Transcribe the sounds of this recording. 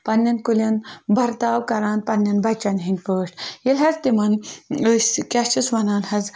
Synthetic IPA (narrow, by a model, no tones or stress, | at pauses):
pɐnːɐnkulʲɐnbʱɐɾt̪aːwkɐɾaːnpɐnːɐnbɐt͡ʃɐnɦinʲpəːʂʈjelʲɦɐzt̪imɐnəsʲkʲaʃt͡ʃisʋɐnaːnhɐz